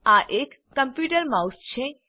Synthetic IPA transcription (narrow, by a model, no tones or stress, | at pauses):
aʔekːəmpjuʈəɾmawst͡ʃʰe